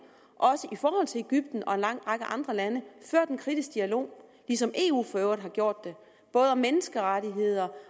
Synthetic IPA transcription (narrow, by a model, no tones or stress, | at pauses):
ʔɒ̽səʔifɒːhɒ̽l̰t͡sʰe̝le̝ɡ̥yb̥d̥n̩ɒ̽e̝nlɑ̈ŋ̰̥ʁɑ̈ɡ̥əʔɑ̈nd̥ʁɐlænəføɐ̰d̥enkʰʁid̥isɡ̥d̥iælo̝̰ːlisɒ̽mʔe̝̰ːṵːfɒøʊðˠɦɑ̈ɡ̥jo̝ɐ̰d̥ːe̝ | b̥ɔ̽ːð̞ˠmenəsɡ̥əʁaɾiɦe̝ð̞̰ˠɐ